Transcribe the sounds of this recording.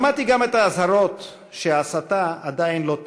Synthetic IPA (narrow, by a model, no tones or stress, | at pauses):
mat̪iɡamet̪aːzaɾo̞t̪ | ʃeasat̪aad̪ainlo̞t